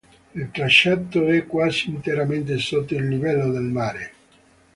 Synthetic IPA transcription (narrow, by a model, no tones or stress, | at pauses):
ilt̪ɾaʃːat̪ːoɛkːwaːsiːnt̪eɾament̪esot̪ːoilnivɛlːod̪elmaːɾe